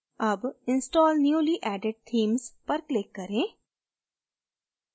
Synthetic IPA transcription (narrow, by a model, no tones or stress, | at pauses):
ɐbɪ̃nsʈɔːlnjuːliːʔɛːɖeɖ̚t̪ʰiːmzpɐɾklɪkːɐɾẽː